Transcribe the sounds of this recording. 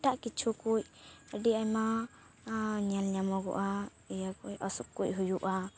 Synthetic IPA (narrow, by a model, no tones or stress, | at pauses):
ʈaʔkit͡ʃʰukuc̚əɖiajma | ɲalɲamɔɡɔ̰ʔa | ijakujɔsup̚kuc̚ɦujuʔa